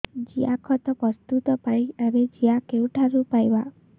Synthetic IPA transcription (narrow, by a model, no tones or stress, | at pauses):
d͡ʒiakʰɔt̪ɔpɔst̪ut̪ɔpaɽiebed͡ʒiakewʈʰaɾupajba